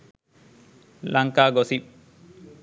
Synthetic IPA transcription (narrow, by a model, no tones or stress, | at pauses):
laŋkaːɡosip̚